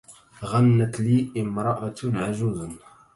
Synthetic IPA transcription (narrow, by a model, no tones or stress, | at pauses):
ɣanːæt̪liːʔɪmɾˤɑʔat̪ʕaʒuzn